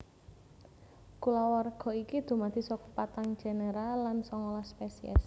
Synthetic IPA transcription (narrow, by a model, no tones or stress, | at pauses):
kulawɔrɡ̥ɔ̤ikid̪̥ṳmad̪̥i̤sɔkupat̪aŋ̥d͡ʒ̥e̤neɾalːansɔŋolɔspesiɛ̰s